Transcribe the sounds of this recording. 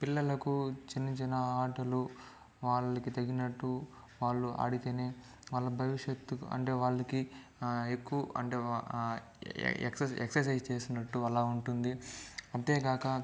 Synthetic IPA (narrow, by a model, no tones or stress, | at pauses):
pilːɐlɐkut͡ʃinit͡ʃinɐaːʈɐlu | ʋaːɭːɐkit̪ɐɡinɐʈːu | ʋaːɭːuʔa̰ːɽit̪eːne̞ː | ʋaːɭːɐbʱɐʋiʂet̪ːuɐ̰ɳʈe̞ːʋaːɭːɐki | ekːuʋuɐ̰ɳʈeː | ḛksɐeksɐɾs̬ɐjst͡ʃe̞ːsinɐʈːuɐlaːuɳʈund̪iɐd̪eːɡaːkɐ